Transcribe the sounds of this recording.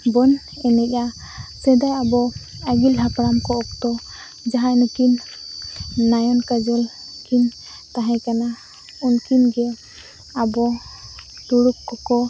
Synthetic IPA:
bɔn | ɛnɛka | sɛd̪ajabɔ | aɡilɦakɾamkɔɔkt̪ɔ | d͡ʒaɦanɔkinː | ajɔnkad͡ʒɔlkin | t̪aɦɛ̃kana | unkinɡɛ | abɔ | t̪uɽuk̚kɔkɔ

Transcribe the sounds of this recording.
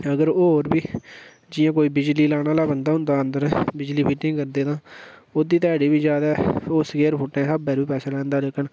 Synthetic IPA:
əɡəɾoːɾbiː | d͡ʒɪjãːk̬oːiːbɪd͡ʒliːlaːɽaːlaːbənd̪aːɦʊ̃nd̪aːənd̪əɾɛːbɪd͡ʒliːpiːʈɪ̃ŋɡkəɾd̪eːt̪ãːoːd̪iːt̪ɛːɽiːbiːzjaːd̪aːoːsəkeːɾpʰʊʈːẽːsaːbɛːɾʋiːpɛːsaːlɛ̃ːnd̪aːlekəɳ

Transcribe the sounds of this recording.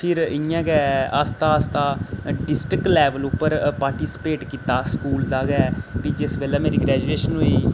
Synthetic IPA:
pʰɪɾɪjãːɡɛəst̪aːst̪aːɖɪsʈɾɪklɛːʋəlʊpːəɾpaːɾʈiːsɪ̥peːʈkiːt̪aːskuːld̪aːɡɛːbid͡ʒɪsbeːlɛːmeːɾiːɡɾɛːd͡ʒueːʃənɦoiː

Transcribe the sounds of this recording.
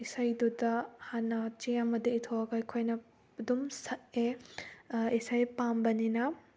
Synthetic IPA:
isajdudɐhanɐt͡ʃeɐmɐdiitʰoɐɡɐjkʰojnɐ | dumsɐt̚e | isajpambɐninɐ

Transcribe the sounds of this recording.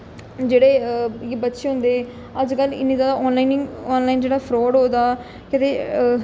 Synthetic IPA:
d͡ʒeːɽeːjeːbət̪ːʃeːɦʊ̃nd̪eː | əd͡ʒkəlɪ̰niːd̪aːaɔːnlaːinɔːnlaːiːnd͡ʒeːɽaːpʰɾoːɽɦoːd̪aː | kɪt̪eː

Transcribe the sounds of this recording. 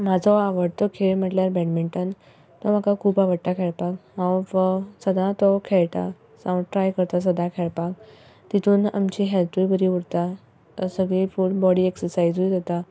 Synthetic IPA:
m̤ad͡zʱɔaʋəɽt̪ɔkʰeɭm̤əʈljaɾbɛʈmiɳʈən | t̪ɔm̤akakʰuːpaʋəɽʈ̪akʰeɭpakɦãwfəsəd̪ʱãt̪ɔkʰeɭt̪a | sãwʈɾajkəɾt̪as̬əd̪ʱakʰeɭpak̚ | t̪it̪ʰuːna̰mt͡ɕiɦɛlt̪ibəɾiːuɽt̪a | səɡɭiːfulbɔɽiːeksəɾsajd͡zujd̪at̪a

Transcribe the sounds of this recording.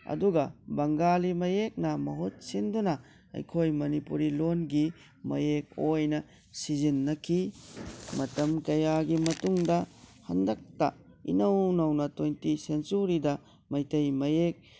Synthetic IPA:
ɐ̰duɡɐbɐŋɡalimɐjek̚nɐmɐɦut̚sindunɐ | ɐ̰jkʰojmɐnipuɾilonɡi | mɐ̰jek̚ojnɐ | sizinːɐkʰi | mɐtɐmkɐjaɡimɐtuŋdɐhɐndɐk̚tɐ̰ | ḭnɐwnɐwnɐtojntisensuɾidɐ | mɐjtɐjmɐjek̚

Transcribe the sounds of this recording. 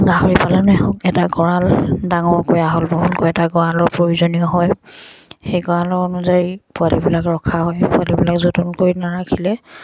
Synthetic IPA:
ɡahɔɹipalanɛɦɔkɛtaɡɔɹaldaŋɔɹkojaɦolbɔɦutkojɛtaɡɔɹalɔɹpɹoɹuzɔniɔɦɔj | xejɡɔɹalɔɹɔnuzaɹipʊalibilakɹɔkʰaɦɔjpʊalibilakzotunkoɹinaɹakʰilɛ

